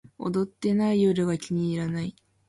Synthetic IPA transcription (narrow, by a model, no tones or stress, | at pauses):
o̰d̪o̞t̪ːe̞naijoɾɯɡakʲiɲ̟iːɾanai